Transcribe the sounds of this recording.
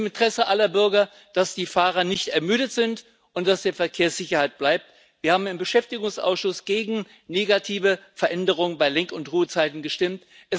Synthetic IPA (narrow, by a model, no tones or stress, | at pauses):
mɪntʁ̥ɛsəʔalɐbʏɐɡɐ | d̥asd̥iːfaːʁɐnɪçtɛɐmyːɾətz̥ɪnt | ʔʊnt̚d̥asd̥eːɐfɛɐkʰeːɐsz̥ɪçɐhaɪt̚b̥laɪp̚t | v̥iːɐhaːbm̩ɪmbəʃɛftɪɡʊŋsʔa̰ʊsʃʊsɡ̥eːɡŋ̩ | neːɡatʰiːvəfɛɐʔɛndəʁ̞ʊŋənbaɪlɛŋkʊntʁuːət͡saɪtn̩ɡəʃtɪmt | ʔɛs